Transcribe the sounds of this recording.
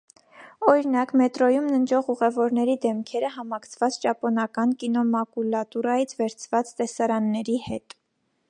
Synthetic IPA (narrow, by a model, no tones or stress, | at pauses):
ɔɾinɑkmɛt̪ɾɔjumnənd͡ʒɔʁuʁɛvɔɾnɛɾid̪ɛmkʰɛɾəɦɑmɑkʰt͡sʰvɑt͡st͡ʃɑpɔnɑkɑnkinɔmɑkulɑt̪uɾɑjit͡sʰvɛɾt͡sʰvɑt͡st̪ɛsɑɾɑnːɛɾihɛt̪